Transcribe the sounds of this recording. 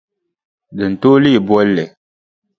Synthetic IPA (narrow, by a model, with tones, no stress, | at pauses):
dɨ˨n̩˨toː˦li˦i˨bwɔ˦lːɛ˨